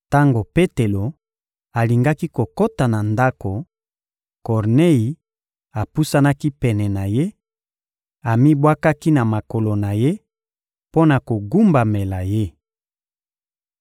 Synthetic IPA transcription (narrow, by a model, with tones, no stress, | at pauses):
ta˦ŋɡo˨pe˦te˨lo˨ | a˨li˨ŋɡa˦ki˦ko˨ko˦ta˨na˨nda˦ko˨ | kɔ˨ʁne˦i˨ | a˨pu˦sa˦na˦ki˦pɛ˨nɛ˨na˨je˦ | a˨mi˦bwa˦ka˦ki˦na˨ma˨ko˨lo˨na˨je˦ | po˦na˨ko˨ɡu˦mba˨me˨la˨je˦